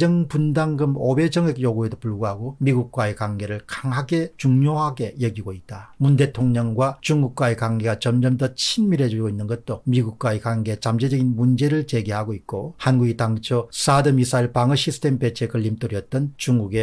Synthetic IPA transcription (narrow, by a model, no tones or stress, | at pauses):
d͡ʑʌŋpundaŋɡɯmobe̞d͡ʑʌŋek̚joɡue̞dopuɭɡuɦaɡomiɡuk̚k͈waekaŋɡe̞ɾɯɭkaŋɦaɡe̞t͡ɕuŋɲoɦaɡe̞jʌɡiɡoit̚t͈amunde̞tʰoŋɲʌŋɡwat͡ɕuŋɡuk̚k͈waekaŋɡe̞ɡat͡ɕʌmd͡ʑʌmdʌt͡ɕʰinmiɾe̞d͡ʑuɭɡoinːɯnɡʌt̚t͈omiɡuk̚k͈waekaŋɡe̞t͡ɕamd͡ʑed͡ʑʌɡinmund͡ʑe̞ɾɯɭt͡ɕe̞ɡeɦaɡoit̚k͈ohanɡuɡitaŋt͡ɕʰos͈adɯmisʰaiɭpaŋɯɕʰisʰɯ̥tʰempe̞t͡ɕʰekɯʎːimt͈oɾjʌt̚t͈ʌnt͡ɕuŋɡuɡe̞